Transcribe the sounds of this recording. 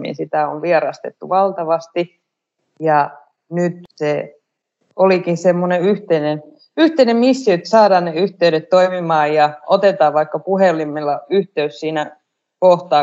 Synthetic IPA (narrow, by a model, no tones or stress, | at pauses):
mḭnsit̪æo̰ʋʋiɑɾɑst̪ḛt̪ːuʋɑlt̪ɑʋɑst̪i | jɑ | nyt̪se | olikinsemːoneyht̪einen | yht̪einemmisːiøt̪sɑːdɑːnneyht̪eyɾet̪t̪oimimɑːjjɑʔot̪et̪ɑːʋʋɑikːɑpuhelːˑimelːɑyht̪eyssiːnæ | koht̪ɑː